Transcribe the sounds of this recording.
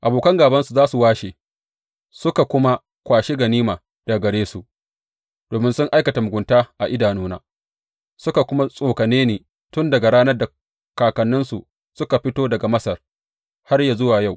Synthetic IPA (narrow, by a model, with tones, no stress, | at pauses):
ʔa˨boː˨kɐ˦ŋɡaː˨bɐ˦nsu˨zaː˦su˨waː˦ʃeː˨ | sʊ˦ka˨kʷʊ˦ma˦ | kʷaː˨ʃe˦ɡɐ˨niː˦maː˨ | d̥a˨ɡɐ˨ɽeː˦su˨ʔ | d̥oː˨mɪ˦nsʊ˦ŋʔa˦jkɐ˨ta˨mʊ˨ɡʷʊ˨ntaː˦ʔa˨ʔɪ˦daː˨noː˦na̰ː˦ | sʊ˦ka˨kʷʊ˦ma˦sʼoː˨kɐ˨neː˦neː˨ | tʊ˦ndɐ˨ɡa˨ɽaː˦nɐ˦rda˨ | kaː˨kɐ˨nːʊ˦nsṵ˨ | sʊ˦ka˨ɸɪ˦toː˦dɐ˨ɡa˨mɐ˦sɐ˨r | ha˦rja˨zʊ˦waː˨ja˦˨w